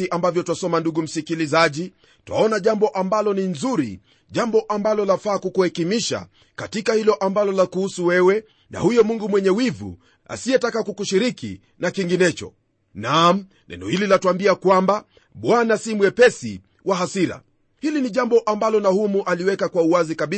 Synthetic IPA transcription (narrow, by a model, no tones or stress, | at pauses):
iʔambavjɔtwasɔmanduɡum̩sikilizaʄi | twa̰ɔnaʄambɔʔambalɔninzuɾḭ | ʄambɔʔambalɔlafaːkukuhɛkimiʃa̰ | katikahilɔʔambalɔlakuhusuwɛwɛ | na̰hujɔmuŋɡumwɛɲɛwivṵ | a̰siɛtakakukuʃiɾikḭ | nakiŋɡinɛt͡ʃɔ̰ | nam̩ | lɛ̰nɔ̰hililatwambiakwamba | ɓwanasimwɛpɛsḭ | waɦasiɾa̰ | hiliniʄambɔʔambalɔnahumuʔaliwɛkakwauwazikaɓi